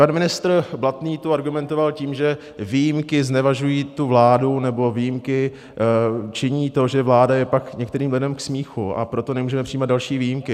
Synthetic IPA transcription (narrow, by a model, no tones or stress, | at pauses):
panmɪnɪst̪rblat̪niːt̪uaɾɡumɛnt̪o̞valciːmʒɛ | vijimkɪznɛvaʒujiːt̪uvlaːdunɛbo̞viːjimkɪ | t͡ʃɪɲiːt̪o̞ʒɛvlaːdajɛpakɲɛkt̪ɛɾiːmlɪdɛmksmiːxuʔa̰pɾo̞t̪o̞nɛmuːʒɛmɛpr̥ijːmad̪dalʃiːviːjimkɪ